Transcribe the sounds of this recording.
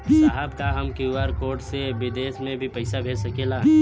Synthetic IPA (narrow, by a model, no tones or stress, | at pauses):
saɦəbkaɦəmkiwaːɾkoːɾʈseʋɪd̪eːsmẽbʱipɐɪsabʱeːd͡ʒsɐkelaɦ